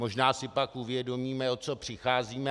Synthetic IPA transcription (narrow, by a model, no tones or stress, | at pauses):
mo̞ʒnaːsɪpakʔuvjɛdo̞miːmɛo̞t͡so̞pr̝̥ɪxaːziːmɛ